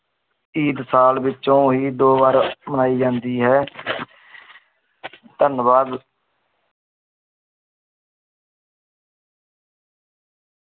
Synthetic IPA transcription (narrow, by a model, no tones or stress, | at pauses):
iːd̪saːlʋɪt͡ʃːõːɦiːd̪oːbaːɾmənaːiːd͡ʒãːnd̪iːɦɛː | t̪ənʋaːd̪